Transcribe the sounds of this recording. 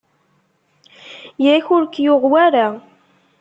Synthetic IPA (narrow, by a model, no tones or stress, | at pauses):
jæçʊɾkjʊʁwaɾa